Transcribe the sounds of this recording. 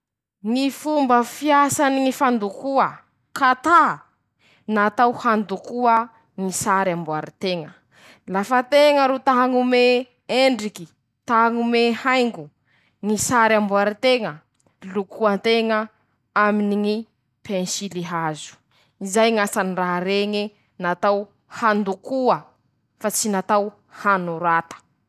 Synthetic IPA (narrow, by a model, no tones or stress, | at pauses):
ŋifumbəfiasaniŋifand̪ukuə | kat̪a | nat̪awhand̪ukuə | ŋisaɾambuaɾit̪eŋə | lafət̪eŋəɾut̪aɦaŋume | eɳɖ͡ʐiki | t̪aɦŋumehajŋɡu | ŋisaɾambuaɾit̪eŋə | lukuant̪eŋə | aminiŋi | pʰenʃiliɦazu̥ | izajŋasaniraɦaɾeŋi | nat̪aw | hand̪ukuə | fat͡sinat̪aw | hanuɾat̪ə̥